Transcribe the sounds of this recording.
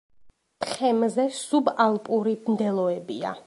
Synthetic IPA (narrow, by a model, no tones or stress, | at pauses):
t̪χɛmzɛsubalˠpʼuɾibnd̪ɛlˠɔɛbia̰